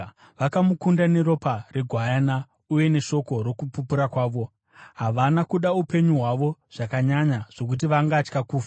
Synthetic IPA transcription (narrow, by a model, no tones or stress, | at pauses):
ʋakamukundane̞ɾo̞pareɡʱwajana | uje̞ne̞ʃo̞ko̞ɾo̞kupupuɾakwaːʋo̞ | ɦaʋanakuɗaupe̞ɲuɦwaʋo̞ʐ̥akaɲaɲaʐ̥o̞k̬ut̬iʋaŋɡat͡ʃkakuːfa